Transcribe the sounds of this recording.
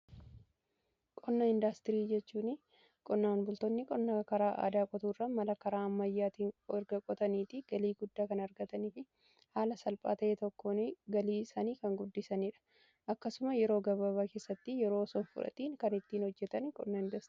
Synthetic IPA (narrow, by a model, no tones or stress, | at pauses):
kʼɔnːɐɪnd̪ɐst̪ɪɾiːd͡ʒɛt͡ʃːuːnɪ | kʼɔnːaːnbʊlt̪ɔnːɪkʼɔnːɐkɐɾaːʔa̰ːd̪aːkʼɔt̪uːrːɐmɐlɐkɐɾaːɐmːɐjːaːt̪iːnɛɾɡɐkʼɔt̪ɐniːt̪ɪɡ̥ɐliːɡʊd̪ːaːkɐnɐɾɡɐt̪ɐnifɪ | haːlɐsɐlpʼa̰ːt̪ɐʔeːt̪ɔkːoːnɡɐliːsaːniːkɐŋɡʊd̪ːɪsɐniᶑɐ̥ | ʔɐkːɐsʊmɐjɛɾo̞ːɡɐβɐβaːke̞ːsːɐt̪ːɪjɛɾo̞ːsɔnfʊ̰ᶑɐ̰t̪iːŋkɐnɪt̪ːiːnhɔd͡ʒːɛt̪ɐnkʼɔ̰nːɐɪnd̪ɐst̪ɾi